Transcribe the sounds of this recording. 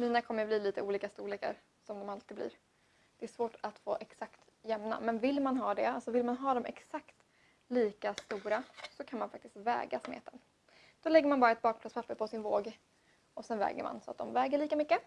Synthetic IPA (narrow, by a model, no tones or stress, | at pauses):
miːnakʰɔmːəɾbliːliːt̪əuːliːkast̪uːleːkə̰ɾ | sɔmd̪ɔmalt̪ɪːɡ̪blḭːɾ | d̪̥ɛæʂvoːʈat̪fo̰ːʔɛksakt̪ | jɛmna̰mɛnvɪlmanɦɑːd̪ɛalsɔvɪlmanɦɑːd̪ɔmʔɛ̰ksakt̪ | liːkast̪uːɾasɔkʰanmanfakt̪ɪst̪vɛ̰ːɡasmḛːt̪ən | d̪̥ɔlɛɡːəmanbɑːɾaɛt̪̚bɑːkplatspʰapːəpʰɔsɪnvoːɡ | ɔsɛnvɛ̰ːɡə̰ɾma̰nsɔa̰t̪̚d̪ɔ̰mvɛːɡəɭiːkamʏkːə